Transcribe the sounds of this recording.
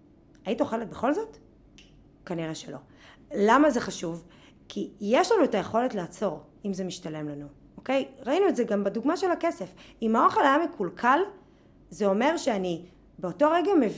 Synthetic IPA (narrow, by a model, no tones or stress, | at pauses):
ajitaoχe̞let̚beχo̞lzo̞t | kaniʁeʃelo̞ | lamazeχaʃuv | kʰijeʃlanuetaje̞χo̞letlaːt͡so̞ʁ | imzemiʃtale̞mlanu | oke̞jʁainuetzeɡambeduɡmaʃelake̞se̞fimaoχalajamikulkʰal | zeo̞me̞ʁʃeani | beoto̞ʁeɡamev